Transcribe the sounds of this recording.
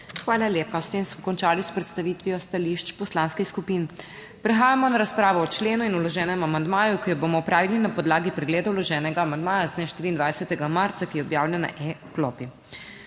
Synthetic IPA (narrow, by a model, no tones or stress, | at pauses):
xʋaːlaljeːpast̪eːmsmɔkɔnt͡ʃaːlispɾɛt̪st̪aʋiːt̪ʋijɔst̪aliʃt͡ʃpɔslaːnskixskupin | pɾɛxaːjamɔnaɾaspɾaːʋɔɔt͡ʃleːnuinulɔʒɛːnɛmamand̪maːjukijɔboːmɔɔpɾaːʋilinapɔd̪laːɡipɾɛɡleːd̪aulɔʒɛːnɛɡaːmand̪maːjaznɛʃt̪iːɾiːnd̪ʋajsɛt̪ɛɡamaɾt̪sakijɛɔbjaːwlʲɛna̰ʔɛklɔːpi